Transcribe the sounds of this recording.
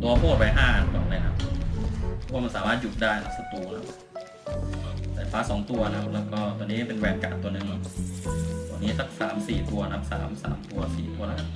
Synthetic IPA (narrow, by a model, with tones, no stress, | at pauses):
t̪u˧ɐ˧pʰuː˥˩t̪̚wa˧jɦaː˥˩a˨˧˩nkɔː˨˩na˧˩nʰa˦˥p̚ʰ | ɔ˦˥waː˧ma˧nsaː˩˦maː˥˩t̪̚ju˨˩t̪̚daː˥˩jnʰa˦˥p̚sa˧t̪uː˧nʰa˦˥p̚ | saː˨˩faː˦˥sɔː˩˦ŋt̪u˧ɐnʰ˧a˧p̚lɛː˦˧˩wkɔː˥˩t̪u˧niː˦˥˩pe˧nwɛː˧˩n̚ka̰ː˨˩t̪t̪ːu˧ɐnɯ˨˩ŋnɔ˧˦˩ | t̪ɔː˧˩nːiː˦˥sa˦˥k̚sa̰ː˩˦msiː˨˩t̪u˧ɐnʰa˧˦˥p̚sa̰ː˩˦msa̰ː˩˦mt̪u˧ɐsḭː˨˩t̪u˧ɐla˧˩a˧˥˩